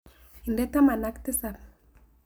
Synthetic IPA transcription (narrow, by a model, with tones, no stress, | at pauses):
i˨ndɛ˦ta˦ma˨na˦ktɪ˦sa˨